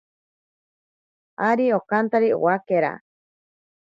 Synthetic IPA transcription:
aɾiokant̪aɾio̰wakeɾa̰

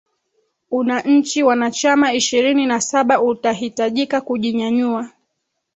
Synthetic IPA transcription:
unaɲ̩t͡ʃiwanat͡ʃamaiʃiɾininasaɓaʔutaɦitaʄikakuʄiɲaɲua

